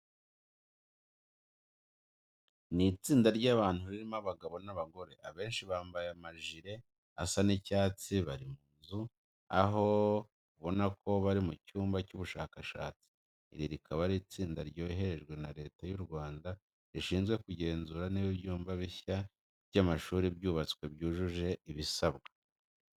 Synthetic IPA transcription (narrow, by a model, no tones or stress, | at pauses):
nit͡siːndaɾɟaβaːn̥huɾiɾimaβaɡaβo̞naβaɡo̞ɾe̞̰aβe̞ːnʃiβaːmbajamaʒiɾe̞ | a̰sanicaːt͡siβaɾimuːnzu | a̰ɦo̞ | uβo̞nako̞βaɾimucuːmbacuβuʃaːkaʃa̰ːt͡si̥ | ḭɾiɾikʰaβaɾit͡siːndaɾɟo̞ːiɦe̞ɾe̞ʒɡwe̞naɾe̞ːtajuɾɡwaːnda | ɾiʃiːnzɡwe̞kuɟe̞ːnzuɾaneβibɟuːmbaβiça | βɟamaʃuːɾibɟuːβat͡skwe̞bɟuːʒuʒe̞iβisaβɡa